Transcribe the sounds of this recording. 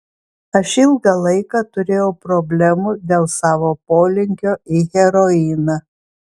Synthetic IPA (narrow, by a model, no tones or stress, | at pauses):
ɐʃɪlˠɡɐlˠɐɪkɑːt̪ʊɾʲeːjɛʊpɾɔbʲlʲɛmuːd̪ʲeːlˠsɑːʋoːpoːlʲɪŋʲkʲoːɪɣʲɛɾɔɪnɑ